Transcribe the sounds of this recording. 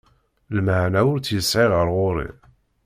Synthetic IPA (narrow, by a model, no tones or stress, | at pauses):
lməʕnæʊɾt͡sːjəsʕiʁəɾʁʊɾḭ